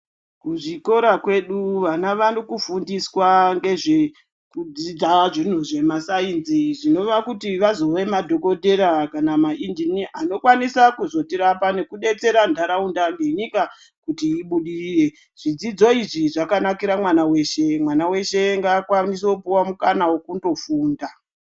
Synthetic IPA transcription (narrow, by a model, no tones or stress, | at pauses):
kuʐiko̞ɾakwe̞ɗuʋanaʋanokufundiswaŋɡe̞ʐe | kud͡zid͡zaʐin̤uʐe̞masainziʐino̞ʋakutiʋazo̞ʋe̞madʱo̞ko̞dʱe̞ɾakanamaʔindiniʔano̞kwanisakuzo̞tiɾapane̞kuɗe̞t͡se̞ɾandʱaɾaundaŋɡeɲika | kutiːɓuɗirire̞ | ʐ̥id͡zid͡zo̞iʐiʐakanakiɾamwanawe̞ʃe̞mwanawe̞ʃe̞ŋɡaːkwanis̬eoupiwamukanawo̞kundo̞fuːnda